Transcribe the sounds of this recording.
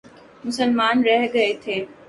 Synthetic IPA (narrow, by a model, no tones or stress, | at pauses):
mʊsəlmaːnɾɛɦɡɐet̪ʰeː